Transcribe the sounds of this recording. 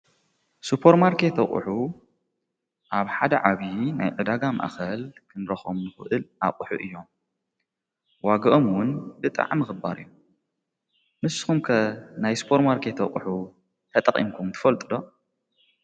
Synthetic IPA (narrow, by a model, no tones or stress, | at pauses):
supʰɐɾmaɾkʰet̪ʰɐχʼṵħu | ʔaβħad̪ɐʕaβina̰jʕɨd̪aɡama̰ʔxɐlkʰɨnɾɐxomnɨxɨʔɨlʔa̰kʼuħṵʔɨjːo̞m | waɡɐʔomwʊnbɨt̪ʼa̰ʕmɨxɨba̰ɾɨ̰jːu | mɨsxumkʰɐnajsu̥pʰoɾmaɾkʰet̪ʰɐχʼuħu | t̪ʰɐt̪ʼɐχʼḭmkʰumt̪ʰɨ̥fɐlt̪ʼɨd̪o̞